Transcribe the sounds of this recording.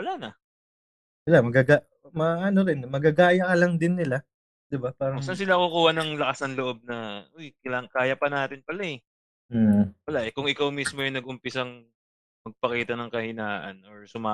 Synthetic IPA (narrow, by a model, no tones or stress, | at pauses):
wɐlanɐ | sɪlamɐɡaɡa | mɐʔɐno̞ɾɪnmɐɡaɡaːjɐkɐlɐŋd̪ɪnːɪla | d̪̥ɪbapaːɾɐsans̬ɪlakukuːhɐnɐŋlɐkɐsɐnloʔo̞b̚nɐojkɐlakaːjɐpɐnaːt̪ɪnpɐlaɛ | wɐlaʔɛkʊŋɪkawmismojʊŋnɐɡʔʊmpɪsɐŋ | mɐɡ̚pɐkiːt̪ɐnɐŋkɐhɪnaːʔɐ̰noɹsʊmaː